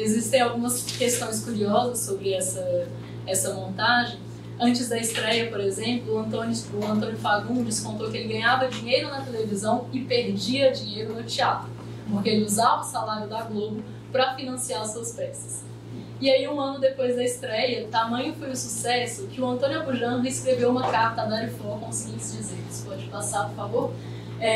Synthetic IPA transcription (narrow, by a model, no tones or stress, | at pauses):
ezist̪ẽj̃awɡũmɐskest̪õj̃skuɾiɔzɐsːobɾɪɛsɐ | ɛsɐmõnt̪aʒẽj̃ | ɐ̃t͡ʃɪzd̪ɐist̪ɾɛjɐpoɾezẽmplʊɐ̃nt̪õnʊʊɐ̃nt̪̬õnjʊfaɡũd͡ʒiskõnt̪okɪelɪɡɐ̃ɲavɐd͡ʒĩɲejɾʊnɐt̪elevizɐ̃w̃ɪpeɾd͡ʒiɐd͡ʒĩɲejɾʊnʊt͡ʃiat̪ɾʊ | poɾkeelɪuzavɐʊsalaɾjʊd̪ɐɡlobʊ | pɾɐfinɐ̃siaɾsuɐspɛsɐ̥s | ɪaiũɐ̃nʊd̪epojzd̪ɐist̪ɾɛjɐt̪amɐ̃ɲʊfojʊsusɛsʊkɪʊɐ̃nt̪õnʊabuʒɐ̃ɦeskɾevewũmɐkaɾt̪ɐd̪aɾɪfokõsiɡĩsd͡ʒizeɾkɪspɔd͡ʒɪpasaɾpʊɾfavoɾ | ɛ